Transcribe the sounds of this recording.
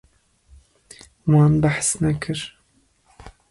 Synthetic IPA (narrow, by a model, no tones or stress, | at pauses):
wɑːnbaħsnakʰɨɾ